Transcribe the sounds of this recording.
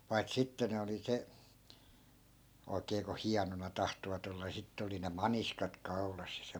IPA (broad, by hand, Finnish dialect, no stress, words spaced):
pɑi̯t sitːe ne oli se oikeː ko hiɑnonɑ tɑhtoʋɑt olːɑ ni sitːĕ oli ne mɑniskɑt kɑu̞lɑs jɑ